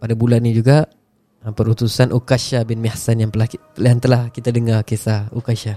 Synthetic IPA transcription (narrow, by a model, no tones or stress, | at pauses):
padabulanːid͡ʒuɡa | əpəɾut̪usanʔukaʃabɪnmɛhsanjaŋpəla | jaŋt̪əlahkit̪adəŋarkesaukaʃa